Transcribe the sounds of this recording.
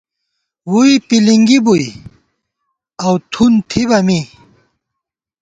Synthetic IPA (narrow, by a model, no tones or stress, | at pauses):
wuipiliŋɡibuj | awt̪ʰunt̪ʰibɐmi